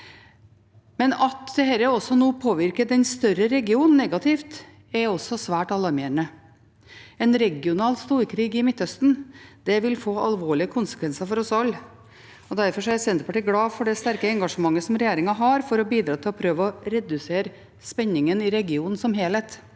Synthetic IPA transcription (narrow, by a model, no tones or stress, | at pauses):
mɛnɑt̪d̪̥ɛhæːɾəɔsːɔnuːpʰoːʋɪɾkəd̪ɛnst̪œɾəɾɛɡɪuːnn̩ːɛɡɑt̪ʰɪft̪ | ɛɔsɔsʋæːʈɑlɑɾmeːəɳə | ɛnɾɛɡɪʊnɑːlst̪uːɾkʰɾiːɡɪmɪt̪ːhœst̪n̩d̪̥ɛʋɪlfoːʔɑ̰lʋoːɭɪəkʰʊnsə̥kʰʋɛnsɑfɔɾɔsɑlː | ɔd̪æɾfɔʂɔæɾsɛnt̪əɾpɑʈiːɡɽɑːfɔɖɛst̪æɾkəɛŋɡɑʂəmɑŋːəsɔmɾɛjeːɾɪŋɑɦɑɾfɔɾɔbiːd̪ɾɑːt̪ʰɪlɔpʰɾøːʋəɔɾɛd̪ʉseːɾ | spɛɲːɪŋənɪɾɛɡɪuːnn̩sɔmheːlɛːt̪